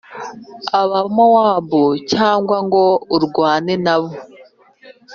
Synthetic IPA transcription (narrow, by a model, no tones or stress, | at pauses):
aβamawaːβocaːŋɡwaŋɡo̞uɾɡwaːnenaβo